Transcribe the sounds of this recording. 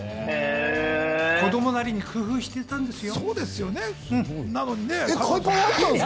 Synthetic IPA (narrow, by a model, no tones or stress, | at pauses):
ko̞d̪o̞mo̞naɾʲiɲ̟ikɯ̟ɸɯ̟ːɕi̥t̪e̞t̪ãnd̪e̞sɨjo̞soːd̪e̞sɨjo̞nẽnanoɲineekʰaikaat̪ːã